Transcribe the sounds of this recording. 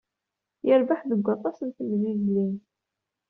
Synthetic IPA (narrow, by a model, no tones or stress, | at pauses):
jəɾbaħðəɡʷːɑt̪ˤːɑsənθəmðizlin